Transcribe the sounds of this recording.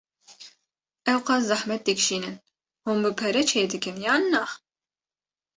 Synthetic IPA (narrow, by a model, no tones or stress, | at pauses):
ɛwqɑszɑħmɛt̪̚d̪ɨkʃiːnɨn | hombɨpʰɛɾɛt͡ʃʰeːd̪ɨkɨnjɑːnːɑ